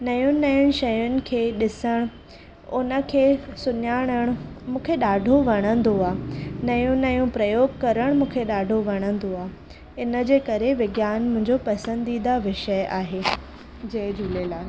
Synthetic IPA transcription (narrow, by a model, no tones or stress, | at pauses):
nɐjũnɐjʊɽ̃ɪ̆ʃɐjʊnɪ̆kʰeːɗɪsəɽ̃ | ʊnə̆kʰeːsʊɲaːɽ̃əɽ̃mũːkʰeɗaːɖʱoʋɐɽ̃ə̃nd̪oaːnɐjũnɐjũpɾɐjoːɡ̚kɐɾəɽ̃mũːkʰeɗaːɖʱoʋɐɽ̃ə̃nd̪oaː | ɪnəd͡ʑeːkɐɾeʋɪɡjaːnmʊ̃ɦɪ̃ɲd͡ʑopɐsə̃nd̪id̪aʋɪʃəjaːɦeː | d͡ʑed͡ʑulelaː